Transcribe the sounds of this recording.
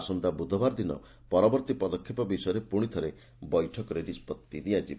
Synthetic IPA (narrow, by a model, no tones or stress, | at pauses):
sɔnd̪abud̪ʱɔbaɾd̪inɔ̰ | pɔɾɔbɔɾt̪ipɔd̪ɔkʰːipɔbisɔjɔɾepuɽ̃it̪ʰɔɾe | bɔjʈʰɔkɔɾeɖispɔt̪ːid̪iad͡ʒib